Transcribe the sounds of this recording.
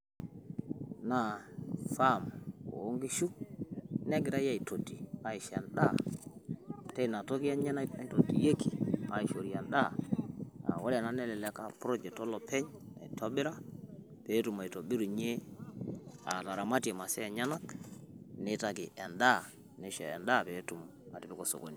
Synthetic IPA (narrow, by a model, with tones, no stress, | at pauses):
na˨fa˦˨mo̰˨o˦ŋɡi˦ʃu˦ | nɛ˦ɡɪ˨ɾa˦ja˦i˨to˨tːi˨a˨i˨ʃɛ̰˨nɗa˦ | tɛ˦˨na˨to˦ki˦ja˦ɲɛ˦na˦pɛ˦nto˨tːi˨je˦ki˨a̰˨i˨ʃo˨ɾi˨ja˨nɗa˦˨ | a̰˨wo˦la˨na˦nɛ˦lɛ˨lɛ˦ka˦˨pɾo˦d͡ʒɛ˨k̚tɔ˦lɔ˨pʰɛ˦ɲ | a̰˨i˨to˦bɪ˦ɾa˦ | pe˨˦tu˨ma˨i˨to˨bi˦ɾu˨ɲe˦ | a̰˨ta˨ɾa˨ma˦te˨ma˨sɛ˦ɛ˨ɲa˦na˦k | nɪ˦ta˨k̬i˨ɛ˨nda˦ | ni˨˦ʃɛ̰˨ɛ̰˨nda˦˨pɛ˨˦tu˨m | a˨ti˨pi˦ko˨so̰˨ko̰˨ni˨